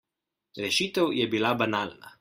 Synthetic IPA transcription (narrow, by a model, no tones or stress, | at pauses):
ɾɛʃiːt̪ɛwjɛbilabanaːlna̰